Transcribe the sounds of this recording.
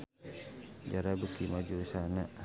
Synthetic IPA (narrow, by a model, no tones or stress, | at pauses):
d͡ʒaɾabəkimad͡ʒusanaʔ